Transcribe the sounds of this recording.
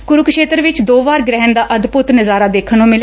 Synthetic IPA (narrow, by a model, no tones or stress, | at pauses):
kʊɾukʃeːt̪ɾʋɪt͡ʃd̪oːʋaːɾɡɾɛɦənd̪aːʔəd̪pʊt̪nəzaːɾaːd̪eːkʰənõːmɪl